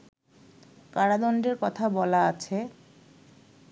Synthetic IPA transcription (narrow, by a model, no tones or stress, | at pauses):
kaɽad̪ɔɳɖeɾkɔt̪ʰabɔlaat͡ɕʰe